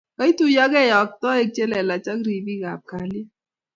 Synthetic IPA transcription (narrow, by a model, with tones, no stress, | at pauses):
ka˨˦i˦tu˦jɔ˦ɡɛ˦jɔ˨k̚tɔ˦e˦k̚t͡ʃe˦lɛ˨la˨t͡ʃa˦kɾi˨bi˦ɡa˨p̚ka˨li˦